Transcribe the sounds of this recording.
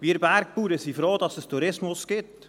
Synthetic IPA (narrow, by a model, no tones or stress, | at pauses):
ʋiːəɾbæɾk̚puːɾəsifɾoːd̪ɑsəstʰuɾɪsmʊsɡ̥ɪt